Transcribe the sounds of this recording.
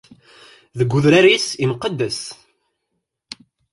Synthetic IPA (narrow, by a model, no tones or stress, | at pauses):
ðəɡʷːuðɾæɾisiməqːəd̪ːəs